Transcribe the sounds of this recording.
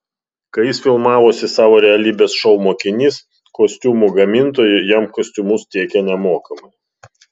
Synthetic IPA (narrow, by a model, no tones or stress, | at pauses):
kɐɪjɪsfʲɪlˠmɑːʋoːsʲɪsɑːʋoːɾʲɛɐlʲiːbʲeːsʃɔʊmoːkʲɪnʲiːs | kosʲt̪ʲuːmuɡɐmʲɪnt̪oːjɪjɛmkoːsʲt̪ʲʊmʊst̪ʲiɛkʲɛnʲɛmoːkɐmɐ